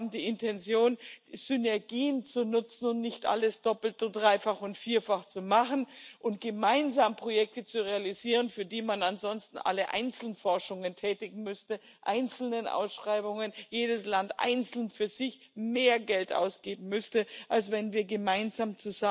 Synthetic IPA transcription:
bm̩diːɪntʰɛnt͡sjoːnd̥iz̥ʏnɛɐɡiːənt͡sunʊt͡sn̩ʊntnɪçtʔa̰ləsd̥ɔpl̩todʁaɪfaχʊntfiːɐfaχt͡sumaχn̩ʔʊnt̚ɡ̥əmaɪnzaːmpʁ̥ojɛk̚tət͡suʁealiziːʁ̞ənfyːɐdiːmananzɔnstn̩ʔa̰ləʔa̰ɪnt͡sl̩nfɔɐʃʊŋəntʰɛːtɪɡŋ̩mʏstə | ʔaɪnt͡sl̩nənʔa̰ʊsʃʁ̥aɪbʊŋənjeːdəslantʔa̰ɪnt͡sl̩nfyːɐzɪç | meːɐɡɛltʔa̰ʊsɡ̥eːbm̩mʏstəʔals̬v̥ɛnviːɐɡəmaɪnzaːmt͡suza

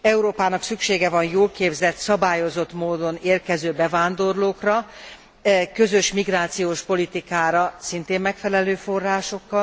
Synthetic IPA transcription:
ɛuɾoːpaːnɒksykʃeːɡɛvɒnjoːlkeːbzɛt̪sɒbaːjo̞zo̞t̪moːd̪o̞neːrkɛzøːbɛvaːnd̪o̞rloːkrɒ | kø̞zø̞ʃmiɡraːt̪sijoːʃpo̞lit̪ikaːɾɒsint̪eːmmːɛkfɛlɛløːfo̞rːaːʃo̞kːɒl

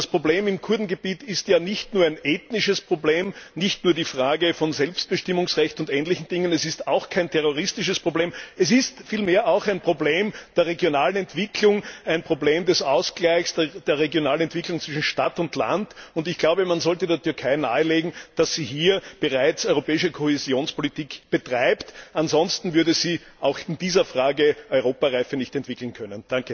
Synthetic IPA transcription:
aspʁ̥obleːmɪmkʰʊɐdn̩ɡəbiːtɪstjaːnɪçtnuːɐæɪnʔeːtnɪʃəspʁ̥obleːmnɪçtnuːɐdiːfʁ̥aːɡəfɔnzɛlpst̚b̥əʃtɪmʊŋsʁɛçtʊntɛːnlɪçn̩d̥ɪŋənɛsɪstaʊxkʰæɪntʰɛʁoʁɪstɪʃəspʁ̥obleːmɛs̬ɪstfiːlmeːɐʔaʊxæɪnpʁ̥obleːmd̥eːɐʁeɡjonaːlənɛntv̥ɪkʰlʊŋæɪnpʁ̥obleːmdɛsaʊsɡ̥læɪçsd̥d̥eːɐʁeɡjonaːlənɛntv̥ɪklʊŋt͡sv̥ɪʃn̩ʃtatʊndla̰ndʊndɪçɡ̥laʊbəmanzɔltədeːɐtʏɐkʰaɪna̰ːəleːɡŋ̩d̥asːiːɦiːɐb̥əʁaɪt͡sɔʏʁopɛːɪʃəkʰohezjoːnspolitiːkb̥ətʁ̥aɪptanzɔnstn̩vʏɐdəziːʔaʊxɪnd̥iːzɐfʁ̥aːɡəʔɔʏʁoːpaʁaɪfənɪçtɛntv̥ɪkl̩n̩kʰœnənd̥aŋkə

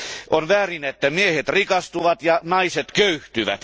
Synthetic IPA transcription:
ʔonʋæːrinet̪ːæmiehet̪rikɑst̪uʋɑt̪jɑnɑiset̪køyht̪yʋæ̰t̪

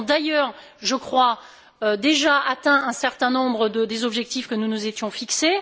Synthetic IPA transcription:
d̪ajœːʁ | ʒəkχwa | ød̪eʒaʔat̪ɛ̃ɛ̃sɛʁt̪ɛ̃nɔ̃bʁəd̪əd̪ezɔbʒɛk̚t̪ifkənunuzet̪jɔ̃fikse

